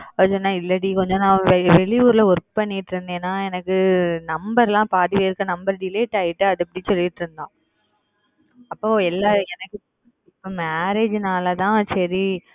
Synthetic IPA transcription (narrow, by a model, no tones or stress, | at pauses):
ɐɯsɔnːaːɪlːɐɽikɔɲd͡ʒõnãːʋɛɭɪuːɾɪlɐʊɾp̚pɐɳːɪʈːɾɯnd̪eːnːaːɛnɐkːɯnɐmbɐɾlãːpaːðɪʋɐɪɾɯkːɐnɐmbɐɾɖɪleːʈaːjɪʈːɯɐðɯpːɐɽisɔlːɪɪʈːɾɯnd̪ãː | ɐpːoːɛlːaːɛnɐkːɯ | ɪpːoːmaːɾeːd͡ʒnaːlɐt̪ãːsɐɾi